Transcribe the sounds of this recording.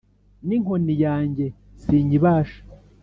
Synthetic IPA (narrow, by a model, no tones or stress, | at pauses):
niŋ̥honijaːɲɟe | siːɲiβaːʃḁ